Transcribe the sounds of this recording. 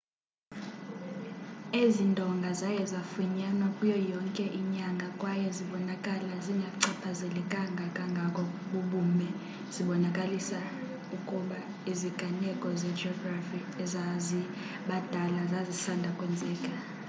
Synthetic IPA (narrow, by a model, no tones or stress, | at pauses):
ezindʱɔŋɡʱazajɛzafuɲanwakʼujɔjɔŋkʼɛʔiɲaŋɡʱakʼwajɛziɓɔnakʼalaziŋʱaǀʰapʰazɛlɛkʼaŋɡʱakʼaŋɡʱakʼɔɓuɓuːmɛ | z̥iɓɔnakʼalisa | ukʼuɓa | iziɡ̥ʱanɛkʼɔzɛd͡ʒɔɡrafi | ɛzazi | ɓad̥ʱalazazisandʱakʼwɛnd͡zʱʼɛːkʼa